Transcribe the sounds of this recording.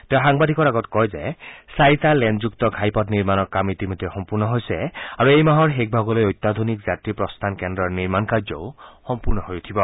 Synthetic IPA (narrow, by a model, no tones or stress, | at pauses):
t̪eʊ̃xaŋbad̪ʱikɔɹaɡɔtkɔjzesajt̪alɛnzukt̪ɔɡʱajpɔtniɹmanɔkamit̪imojd̪ʱːɛxɔmpuɹnɔɦojsɛaɹuejmaɦɔɹɦek̚bʱaɡɔlojojt̪ːad̪ʱonikzatɹipɹɔst̪ʰankendɹɔɹniɹmankaɹd͡ʒɔʊxɔmpuɹnɔɦojut̪ʰibɔ